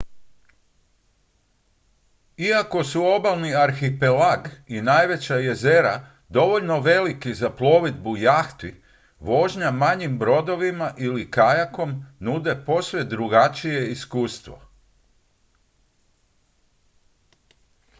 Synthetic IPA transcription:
iako̞suo̞balˠniaɾxipelaɡinajʋe̞t͡ɕaje̞ze̞ɾa̰ | d̪o̞ʋo̞ʎno̞ʋe̞likizaplˠo̞ːʋid̪bujaxt̪i | ʋo̞ːʒɲamaɲimbɾo̞d̪o̞ʋimaʔilikajako̞mnuːd̪e̞po̞sʋed̪ɾuɡat͡ʃije̞iskuːst̪ʋo̞̰

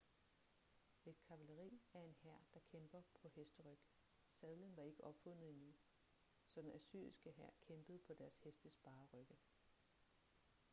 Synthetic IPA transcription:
e̝d̥̚kʰæ̈ʋæləʁḭːæɐe̝nhæɐ̰d̥ɑ̈kʰemb̥ɐpʰɒ̽hesd̥əʁœɡ̥ | sɛð̞ˠlənʋɑ̈e̝ɡ̥əʔɒ̽b̥fɔ̽n̰ð̩ˠinu | sɒ̽d̥enæsy̰ɐ̰isɡ̥əɦæɐ̰kʰemb̥əð̩ˠpʰɒ̽d̥æɐshesd̥əsb̥ɑ̈ːʁœɡ̥ə

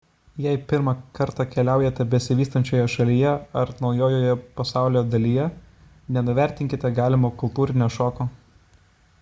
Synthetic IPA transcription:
jɛɪpʲɪɾmɑkɐɾt̪ɑkʲɛlʲæˑʊjɛt̪ʲɛbʲɛsʲɪʋʲiːst̪ɐnʲt͡ʃʲoːjɛʃɐlʲijɛɐɾnɒʊjoːjoːjɛpɐsɑˑʊlʲoːd̪ɐlʲijɛ | nʲɛnʊʋʲæˑɾʲt̪ʲɪŋʲkʲɪt̪ʲɛɡɑːlʲɪmoːkʊlˠt̪uːɾʲɪnʲoːʃoːkoː

